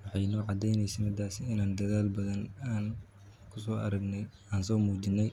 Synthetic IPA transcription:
wɑħɑjnɔːʕɑd̪ɛjnɛjsɛmɪd̪aːsɪnaːnd̪ɐðaːlbɐðɐnaːn | kʰʊsɔːʔɐ̰ɾɐɡnɛ | aːnsɔːmuːd͡ʒɪnːɛj

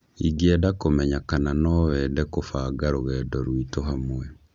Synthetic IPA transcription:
iɡiɛdakomɛɲakananɔːwɛːdɛkofaɡaɾoɣɛːdɔɾwitoɦamwɛ

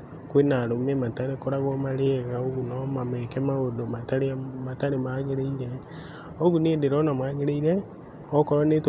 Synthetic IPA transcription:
kwenaɾomemataɾekoɾaɣɔmaɾeɣaoɣunɔmamɛkɛmaodomataɾeamataɾemaːɣeɾeiɾɛ | oɣuneːdeɾɔnamaːɣeɾeiɾɛ | ɔkɔɾɔnet

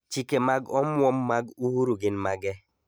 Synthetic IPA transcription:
t͡ʃikemaɡɔmwɔmːaɡuhuɾuɡɪnmaɡɛ

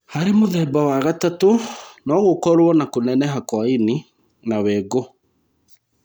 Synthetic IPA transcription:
haɾemoðɛbawaɣatatonɔɣokɔɾwɔnakonɛnɛɦakwaini | nawɛːɣo

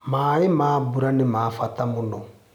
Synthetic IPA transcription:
maːemaːbuɾanemaːfatamonɔ

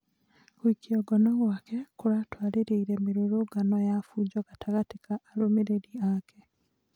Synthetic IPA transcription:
kwikiɔɡɔnɔɣwakɛkoɾatwaɾeɾeiɾɛmeɾoɾoɡanɔjafuːd͡ʑwɔɣataɣatekaʔːɾomeɾeɾiakɛ

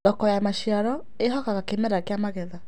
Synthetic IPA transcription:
ɔkɔjamaʃiaɾɔ | eɦɔkaɣakemɛɾakeamaɣɛða

